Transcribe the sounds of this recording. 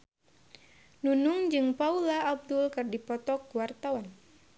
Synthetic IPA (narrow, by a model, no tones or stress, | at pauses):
nunuŋd͡ʒɨŋpaulaːb̚dʊlkɨrdipɔt̪ɔkuwart̪awan